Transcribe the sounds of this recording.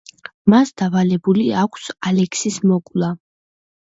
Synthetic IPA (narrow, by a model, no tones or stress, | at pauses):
masd̪̥avalɛbuliakʷʰsalɛkʰsismɔkʼlˠa